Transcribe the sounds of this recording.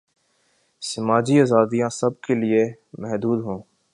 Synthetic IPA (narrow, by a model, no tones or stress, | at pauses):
sɐmaːd͡ʒiaːzaːd̪ijãsɐb̚kelie | mɛɦd̪uːd̪ɦõː